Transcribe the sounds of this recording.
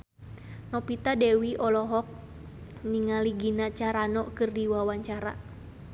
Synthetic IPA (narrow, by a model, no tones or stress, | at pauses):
nɔpit̪adɛwiʔɔlɔɦɔk̚ | niŋaliɡinat͡ʃaɾanɔkɨrdiwawaɲt͡ʃaɾa̰